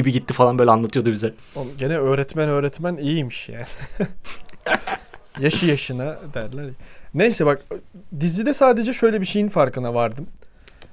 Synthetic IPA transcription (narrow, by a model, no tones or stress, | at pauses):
ibiɟit̪ːifalˠanbølʲɛanlˠat̪ɯjod̪ubizɛ | oɟenɛø̞ːɾɛt̪mænø̞ːɾɛt̪mænijijmiʃja̰ːni | jaʃɯjaʃɯnad̪æɾlʲæɾjane̞jsɛbakd̪izlːʲid̪ɛsaːd̪e̞d͡ʒɛʃø̞jlʲɛbiʃe̞jinfaɾkɯnavaɾd̪ɯm